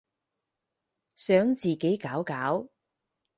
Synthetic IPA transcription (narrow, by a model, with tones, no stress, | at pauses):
sœː˨˥ŋt͡siː˨˩ke˨˥jkaː˨˥wkaː˨˥w